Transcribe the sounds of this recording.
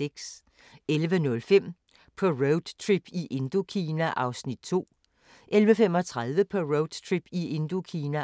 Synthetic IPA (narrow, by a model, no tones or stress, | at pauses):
eɡ̥s | elʋənɔ̽lfem̰ | pʰɒ̽ʁoʊd̥t͡sʰʁib̥iʔe̝nd̥o̝kʰiːnæʔɑ̈ʊsnid̥̚t͡sʰo̝̰ː | ʔelʋəfem̰ɒ̽t͡sʰʁað̞ˠʋəpʰɒ̽ʁoʊd̥t͡sʰʁib̥ie̝nd̥o̝kʰiːnæ